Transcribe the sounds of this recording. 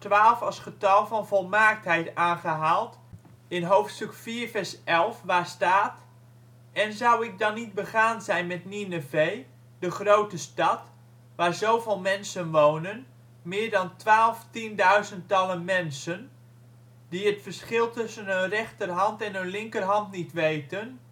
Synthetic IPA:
tʋaːlˠfɑsχətɑlˠvɑnvolˠmaːk̚tɦɛjtaːnχəɦaːlˠt | ɪnɦowftstɵkfiːrfɛɹsʔɛlˠfʋaːɹstaːt | ɛnzʌwɪk̚dɑnːit̚bəχaːnzɛjnmɛtninəvej | dəχrowtəstɑt | ʋaːɹzowvɪːlˠmɛnsənʋoːwnən | mɪːɹdɑntʋaːlˠftindœɥzənttɑlənmɛnsən | diətfərsχɪlˠtʏsənənrɛχtərɦɑntɛnənlɪŋkərɦɑntnitʋejtən

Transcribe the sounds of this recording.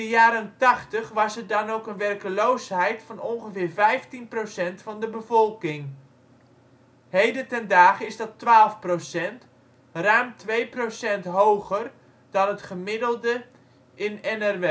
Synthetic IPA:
əjaːɾəntɑχtəχʋɑsədɑnowkənʋɛrkəlowsɦɛjtfɑnɔnχəvɪːrvɛjftinprowsɛntfɑndəbəvɔlˠkɪŋ | hejdəntɛndaːχəɪzdɑtʋaːlˠfprosɛnt | rœɥmtʋejprosɛntɦowχər | dɑnətχəmɪdəlˠdə | ʔɪnɛnɛrʋe

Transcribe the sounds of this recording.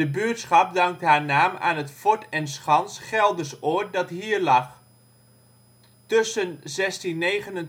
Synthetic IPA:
əbøətsχɑp̚dɑŋk̚tɦaːɹnaːma̰ːnətfɔɹtɛnsχɑnsχɛlˠdəsoːt̚dɑtɦiːɹlɑχ | tɵsənzɛstinːejχənən

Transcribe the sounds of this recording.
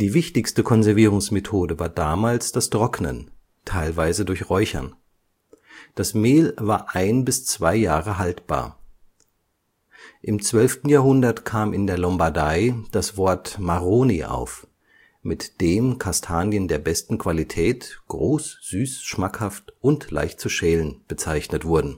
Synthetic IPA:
d̥iːvɪçtɪçstəkʰɔnzɛɐviːʁ̞ʊŋsmetʰoːdəvaːɐdaːmaːlsd̥astʁ̥ɔknə̰n | tʰaɪlvaɪzədʊɐçʁɔʏçɐ̰n | d̥asmeːlvaːɐʔaɪnbɪst͡sv̥aɪjaːʁəɦaltb̥a̰ːɐ | ʔɪmt͡sv̥œlftn̩jaːɦʊndɐtkʰaːmɪndeːɐlɔmbaɐdaɪd̥asv̥ɔɐtmaʁoːniʔa̰ʊf | mɪtd̥eːnkʰastʰaːnjəndeːɐbɛstn̩kʰv̥alitʰɛːtɡ̥ʁoːsz̥yːsʃmakhaftʔʊntla̰ɪçt̚t͡suʃɛːlənb̥ət͡saɪçnətv̥ʊɐdn̩

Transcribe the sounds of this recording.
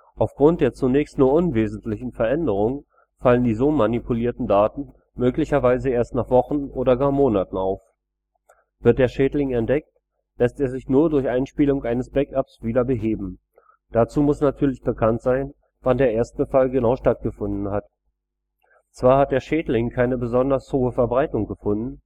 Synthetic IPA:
ʔaʊfɡ̥ʁʊnt̚d̥eːɐt͡sunɛːçstnuːɐʔʊnveːzn̩tʰlɪçn̩fɛɐʔɛndəʁ̞ʊŋ | faləndiːzoːmanipʰuliːɐtn̩daːtn̩ | møːklɪçɐvaɪzəeːɐstnaːχv̥ɔχn̩ʔoːdɐɡaːɐmoːnatn̩aʊf | v̥ɪɐt̚d̥eːɐʃɛːtlɪŋɛntd̥ɛk̚t | lɛsteːɐzɪçnuːɐdʊɐçʔaɪnʃpiːlʊŋʔaɪnəsb̥ɛkapsv̥iːdɐbəɦeːbm̩ | d̥at͡suːmʊsnatʰyːɐlɪçb̥əkʰantz̥aɪn | vandeːɐʔeːɐst̚b̥əfalɡənaʊʃtat̚ɡ̥əfʊndn̩ɦat | t͡sv̥aːɐhat̚d̥eːɐʃɛːdlɪŋkʰaɪnəbəzɔndɐshoːəfɛɐbʁaɪtʊŋɡəfʊndn̩

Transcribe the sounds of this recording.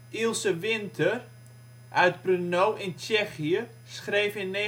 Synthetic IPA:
ilˠsəʋɪntʰər | ʔœɥtbrənowʔɪnt͡ʃɛxiə | sχreːfɪnːe

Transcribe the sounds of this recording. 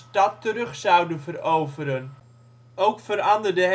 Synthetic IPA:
tɑtːəɾɵχsɑwdənvərowvəɾən | owkfəɾɑndərdəɦ

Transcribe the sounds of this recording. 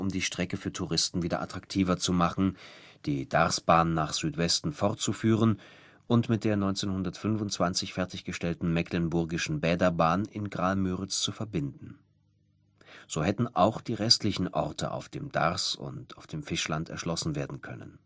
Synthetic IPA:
ʔʊmdiːʃtʁ̥ɛkəfyːɐtʰuʁɪstn̩viːdɐ̰ʔa̰tʁ̥aktʰiːvɐt͡sumaχn̩ | d̥iːd̥a̰ʁsb̥aːnnːaːχz̥yːtv̥ɛstn̩fɔʁt̚t͡sufyːʁən | ʔʊntmɪt̚d̥eːɐnɔʏnt͡seːnhʊndɐtfʏnvʊntt͡sv̥ant͡sɪçfɛɐtɪçɡ̥əʃtɛltn̩mɛkʰlɪnbʊɐɡɪʃn̩bɛːdɐbaːnɪnɡʁaːlmyːʁɪt͡st͡sufɛɐbɪndn̩ | z̥oːhɛtn̩ʔaʊxd̥iːʁɛstlɪçn̩ʔɔ̰ʁtə̰ʔa̰ʊfd̥eːmd̥a̰ʁsʊ̰ntaʊfd̥eːmfɪʃlantɛɐʃlɔsn̩veːɐdn̩kʰœnə̰n

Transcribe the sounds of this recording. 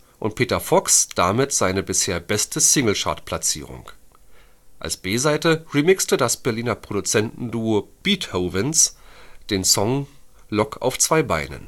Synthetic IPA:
ʔʊnt̚pʰeːtɐfɔksd̥amɪtz̥aɪnəbɪsheːɐbɛstəsɪŋl̩ʃa̰ɐtpʰl̥at͡sḭːʁ̞ʊ̰ŋ | ʔa̰lsb̥eːzaɪtəʁimɪkstədasb̥ɛɐliːnɐpʁ̥oɾut͡sɛntn̩duob̥iːthoːvənsd̥eːnsɔŋlɔkʰa̰ʊft͡sv̥aɪba̰ɪnə̰n

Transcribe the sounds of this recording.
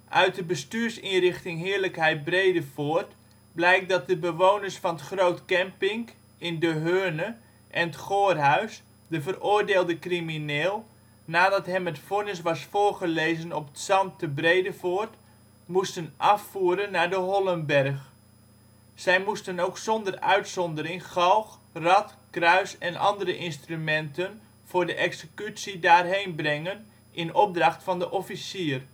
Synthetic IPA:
ʔœɥt̚dəbəstyːɹsinrɪχtɪŋɦɪːɹləkɦɛjt̚brejdəfoːrt | blɛjk̚dɑt̚dəbəʋoːwnəɹsfɑnətχrowtkɛmpɪŋk | ɪndəɦøːnə | ʔɛnətχoːrɦœɥs | dəvərʊːrdeːlˠdəkrimineːlˠ | naːdɑtɦɛmətfonəs̬ʋɑsfoːrχəlejzənɔpətsɑmtəbrejdəfoːrt | mustənʔɑfuːɾənːaːɹdəɦɔlˠənbɛrχ | sɛjmustənowksɔndərœ̰ɥtsɔndərɪŋχɑlˠx | rɑtkrœɥsɛnʔɑ̰ndərəʔɪnstrymɛntən | v̥ʊːɹdəʔɛksəkytsidaːrɦejnbrɛŋən | ʔɪnɔp̚drɑχtfɑndəʔɔfisiːr

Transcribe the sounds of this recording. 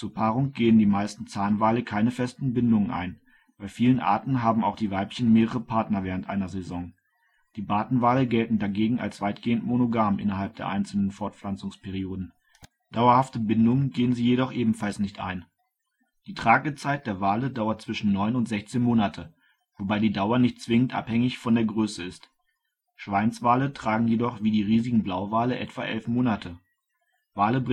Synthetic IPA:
t͡suːɐpʰaːʁʊŋɡ̥eːəndiːmaɪstn̩t͡saːnvaːləkʰaɪnəfɛstn̩bɪndʊŋənʔa̰ɪn | b̥aɪfiːlənʔa̰ːɐtn̩ɦaːbm̩aʊxd̥iːvaɪplçənmeːʁəʁ̞əpʰaɐtnɐvɛːʁ̞əntʔaɪnɐzɛzɔŋ | d̥iːbaːtn̩vaːləɡɛltn̩daɡeːɡŋ̩a̰lsv̥aɪtɡ̥eːəntmonoɡaːmʔɪ̰nɐɦalp̚d̥eːɐʔaɪnt͡sl̩nənfɔɐtflant͡sʊŋspʰɛʁ̞ioːdn̩ | d̥aʊɐhaftəbɪndʊŋənɡeːənziːjedɔχʔeːbm̩falsnɪçtʔa̰ɪn | d̥iːtʁ̥aːɡət͡saɪt̚d̥eːɐvaːlədaʊɐt̚t͡sv̥ɪʃn̩nɔʏnʊntz̥ɛçt͡seːnmoːnatʰə | vobaɪdiːdaʊɐnɪçt̚t͡sv̥ɪŋəntʔa̰phɛŋɪçfɔndeːɐɡʁøːsəɪst | ʃv̥aɪnt͡sv̥aːlətʁ̥aːɡŋ̩jedɔχv̥iːdiːʁiːzɪɡŋ̩blaʊvaːləʔɛ̰tv̥a̰ʔɛ̰lfmoːnatʰə | vaːləb

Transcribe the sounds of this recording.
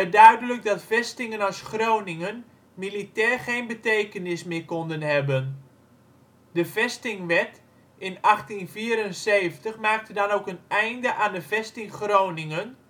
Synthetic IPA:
ɛdœɥdələk̚dɑtfɛstɪŋənɔsxrownɪŋən | militɛːrχeːnbətejkənɪsmɪkɔndənhɛbən | dəvɛstɪŋʋɛt | ɪnɑxtinviːəɾənseːvəntəxmaːk̚tədɑnoːkənɛjndəʔaːndəvɛstɪŋxroːwnɪŋən

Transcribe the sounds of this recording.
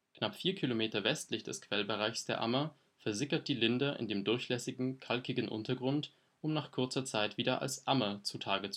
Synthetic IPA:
knapfiːɐkʰilomeːtɐvɛstlɪçd̥ɛskv̥ɛlbəʁaɪçsd̥eːɐʔa̰mɐ | fɛɐzɪkɐt̚d̥iːlɪndɐʔɪ̰ndeːmdʊɐçlɛsɪɡŋ̩kʰalkɪɡən̩ʔʊ̰ntɐɡʁʊnt | ʔʊmnaːχkʰʊɐt͡sɐt͡saɪtv̥iːdɐʔa̰lsʔamɐt͡sutʰaːɡət͡s

